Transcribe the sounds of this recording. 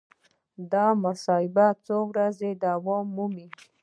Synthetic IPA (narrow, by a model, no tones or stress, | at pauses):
d̪ɑmasɑɪbat͡sowɾazed̪awɑmːumi